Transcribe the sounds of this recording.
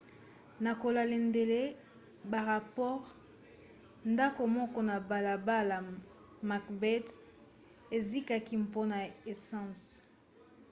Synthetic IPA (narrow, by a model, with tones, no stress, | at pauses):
na˨ko˨la˨le˨nde˨le˦ | ba˨ʁa˨pɔ˦ʁ | nda˦ko˨mɔ˦kɔ˦na˨ba˨la˨ba˦la˨ | ma˨kbɛ˦t | e˨zi˦ka˦ki˦mpo˦na˨e˨sɑ̃˦s